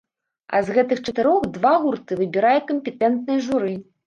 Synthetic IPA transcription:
ɐ̰zɣɛt̪ɨxt͡ʂɐt̪ɨɾɔxd̪vaɣurt̪ɨvɨbʲiɾajɛkɐmʲpʲɛt̪ɛnt̪̚nɨjɐʐuɾɨ

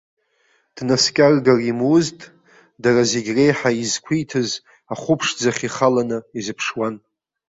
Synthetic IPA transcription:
d̥naskʲʼarɡarimwʊztʼ | darazeɡʲre̞jħaizkʷʰijtʰɨz | aχʷʊpʰʂd͡zaχʲiχalanɨizɨpʰʂwan

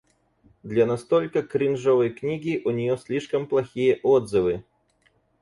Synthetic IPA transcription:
d̪lʲɐnast̪ɔlʲkɐkɾʲɨnʐɔvəjknʲiɡʲiʔunʲijɔsʲlʲiʂkɐmplˠɐxʲijɛʔɔd̪zɨvɨ

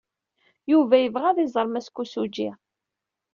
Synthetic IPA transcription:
juvæjəvʁæðˤizˤəɾˤmæskːusud͡ʒi

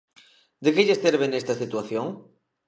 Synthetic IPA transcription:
d̪ekeʎesθeɾβenest̪asit̪waθjoŋ

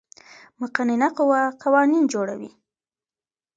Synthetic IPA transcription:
mʊqanɪnaqʊwaqawɑnind͡ʒoɽa̰wḭ

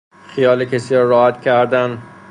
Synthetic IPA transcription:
xijɒːlekʰesiɾɒːɾɒːhæt̪cʲʰæɾd̪æn

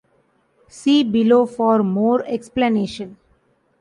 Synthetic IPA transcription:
siːbɪloːfɔːɾmoːɾeksplaneːʃə̃n

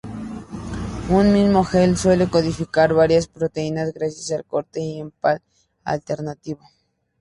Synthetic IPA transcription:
unmizmoxelswelekoðifikaɾβaɾjaspɾot̪einasɣɾasjasalkoɾt̪eiempal | a̰lt̪eɾnat̪iβo

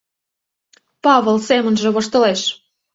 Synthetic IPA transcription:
pɑβə̆lsemə̆nʒĕβɤ̆ʃt̪ə̆leʃ

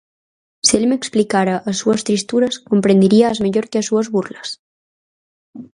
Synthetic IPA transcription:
sieʎmeksplikaɾəʔːsuəst̪ɾist̪uɾəskompɾend̪iɾiəːzmeʎoɾkeəsuəzβurləs

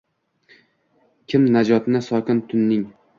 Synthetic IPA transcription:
kʲʰɪmnad͡ʒɒt̪nɪsɒkʲɪnt̪ʰʊnːɪŋ

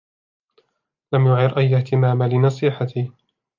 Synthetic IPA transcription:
lamjʊʕɪɾʔajːaht̪ɪmaːmalɪnɑsˤiːħat̪ɪ

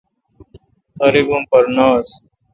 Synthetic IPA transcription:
ʌɾibumpɐɾnaːs

